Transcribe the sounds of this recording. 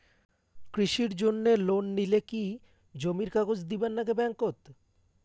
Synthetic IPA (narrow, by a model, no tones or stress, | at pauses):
kɾiʃiɾd͡ʑonːelonːileki | d͡ʑomiɾkaɡod͡ʑd̪ibanːakebɛŋkot̪